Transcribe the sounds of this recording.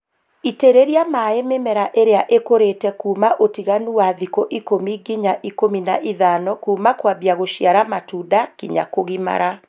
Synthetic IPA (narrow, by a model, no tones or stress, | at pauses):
iteɾeɾiamaːememɛɾaʔeɾeaʔekoɾetɛkuːmaʔotiɣanuwaðikoʔikomiɡiɲaʔikominaʔiðanɔkuːmakwabiaɣoʃjaɾamatuːdakiɲa̰koɣima̰ɾa